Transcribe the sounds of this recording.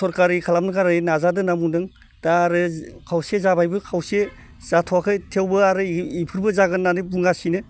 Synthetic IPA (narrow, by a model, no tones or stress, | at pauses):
sɔɾkaɾikʰalamnɯkʰaɾainazadɯnamunɯŋ | d̥aːɾɯkʰawsezabajbɯkʰawse | z̥atʰɔwakʰɯtʰewbɯaɾɯipʰɯɾbɯzaɡɯnːanɯbuŋɡasinɯ